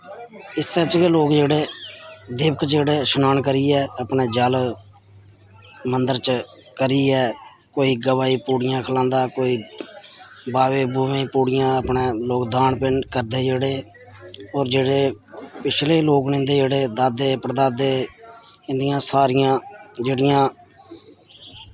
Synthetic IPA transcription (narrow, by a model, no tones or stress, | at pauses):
ɪsːɛːt͡ʃkeloːkd͡ʒeːɽeːd̪ɪʋəkt͡ʃeːɽeːʃʊnaːɳkəɾiːɛːəpɳeːd͡ʒəl | mənd̪əɾt͡ʃ | kəɾiːɛː | koːiːɡəʋaːiːpuːɽɪjãːkʰəlãːnd̪aːkoːiː | baːʋeːbuːʋẽːpuːɽɪjãːəpɳeːloːkd̪aːɳpɪnkəɾd̪eːd͡ʒeːɽeː | ɔːɾd͡ʒeːɽeː | pɪt͡ʃʰleːloːknẽːnd̪eːd͡ʒeːɽeːd̪aːd̪eːpəɾd̪aːd̪eː | ɪ̃nd̪ɪjãːsaːɾɪjãːd͡ʒeːɽɪjãː